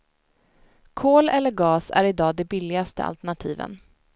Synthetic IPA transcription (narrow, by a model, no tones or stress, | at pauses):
kʰoːlɛlːəɾɡɑːsæ̰ɾɪd̪ɑːd̪ɛbɪlːɪɡast̪ə̰a̰lt̪əɳat̪ʰiːvə̰n